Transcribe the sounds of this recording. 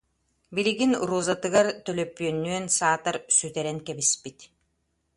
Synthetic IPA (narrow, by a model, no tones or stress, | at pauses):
biliɡinɾuːzat̪ɯɡaɾt̪œlœpːyœnːyœnsaːt̪aɾsyt̪ɛɾɛŋkɛbispit̪